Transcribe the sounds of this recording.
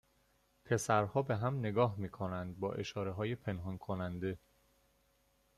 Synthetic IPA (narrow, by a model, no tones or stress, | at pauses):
pʰe̞sæɾhɒːbe̞ɦæmne̞ɡɒːɦmiːkʰonænd̪̚bɒːʔe̞ʃɒːɾeɦɒːjepʰe̞nɦɒnkʰonænd̪e̞